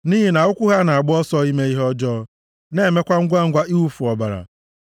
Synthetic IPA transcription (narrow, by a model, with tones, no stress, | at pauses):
niː˦ɦi˨na˨ʊ˦kʷʊ˦ɦa˦na˨a˨ɡ͡bʊ˦ɔ˦sɔ˦i˦me˦i˦ɦɔ˦d͡ʒɔ˦ | ne˦e˨me˦kʷa˦ŋ̩˦ɡʷa˦ŋ̩˦ɡʷa˦ʔi˦u˦fu˨ɔ˨ba˨ɾa̰˨